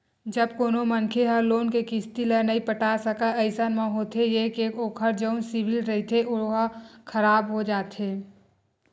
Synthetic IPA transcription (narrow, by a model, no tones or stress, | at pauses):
d͡ʒəbkoːnomənkʰeɦəɾloːnkekɪst̪ilənɐĩpəʈaːsəkaəɪsanmãɦoːt̪ejekeːkoːkʰəɾd͡ʒəʊnsɪʋɪlɾəɦit̪ʰeʊɦakʰəɾaːbɦod͡ʒaːt̪ɦeː